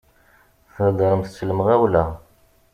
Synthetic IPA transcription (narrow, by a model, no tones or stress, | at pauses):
θəd̪ɾˤəmθət͡sːələməʁæwlæ